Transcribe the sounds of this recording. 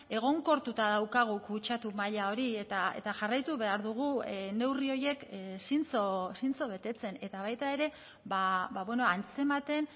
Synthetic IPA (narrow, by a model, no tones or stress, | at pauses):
e̞ɣ̞o̞ŋko̞ɾt̪ut̪aðawkaɣ̞ukut͡ʃat̪umaʎao̞ɾie̞t̪aḛt̪aʝarajt̪uβe̞aɾðuɣ̞une̞wrio̞je̞ksint͡sosint͡so̞β̞e̞t̪e̞t͡se̞ne̞t̪aβ̞ajt̪ae̞ɾe̞ | baβaβwe̞noant͡se̞mat̪e̞n